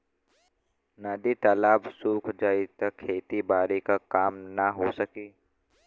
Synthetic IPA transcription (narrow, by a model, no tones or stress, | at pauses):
nad̪it̪aːlaːbsuːkʰd͡ʒaːit̪ɐkʰeːt̪ibaːɾikakaːmnɐɦosɐkiː